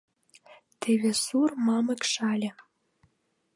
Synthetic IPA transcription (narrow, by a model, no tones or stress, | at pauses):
t̪ʰeβesurmɑmə̆kʃɑlʲĕ